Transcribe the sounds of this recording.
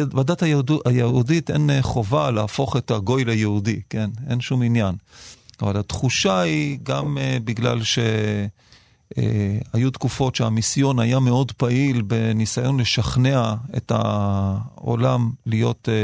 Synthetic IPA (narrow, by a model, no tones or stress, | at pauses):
vadathajudajehuudite̞̰nχo̞valaːfo̞χe̞taɡo̞jlajehudike̞ne̞̰nʃuminjanavalhatχuʃaiɡamebiɡla̰lʃe̞ | ḛajutkufo̞tʃeamisjo̞najameo̞dpaʔilbe̞nisajo̞nleʃaχne̞ae̞̰ta̰ | o̰lamlijo̞t